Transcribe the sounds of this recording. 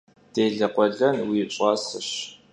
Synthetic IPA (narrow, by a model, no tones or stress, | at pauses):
d̥eːɮɐqʷʼɔɮɐnwiːɕʼɑːsɨɕ